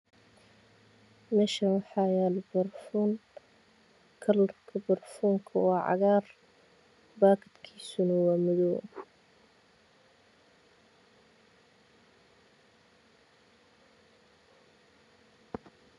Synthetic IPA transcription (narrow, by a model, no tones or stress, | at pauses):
mɛːʃɐnwɑħɑːjaːlbɐrfuːn | kʰɐlɔrkʰɐbɐrfuːŋkʰɐwɑːʕɑ̰ɣaːr | baːkʰɪd̪kʰiːsʊnɐwɑːmʊðɔːŋkʰ